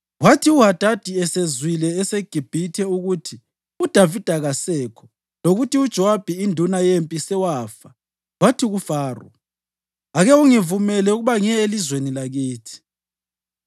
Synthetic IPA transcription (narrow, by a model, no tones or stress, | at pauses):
watʰiuɦad̥ʱad̥ʱiɛsezwilɛːseɡ̥ʱib̥ʱitʰɛuɣutʰi | ud̥ʱavid̥ʱaɣasɛkʰɔ̥ | loɣutiud̥ʒ̥ʱɔwab̥ʱiindʱunajempʼisɛwaːfa | watʰiɣufaːrɔ̰ | aɣɛuŋivumɛlɛuɣuβaŋɛelizwenilaɣiːtʰi̥